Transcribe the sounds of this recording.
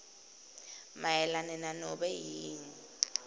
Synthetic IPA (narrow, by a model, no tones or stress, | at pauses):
majɛlanɛnanɔɓɛjiːŋi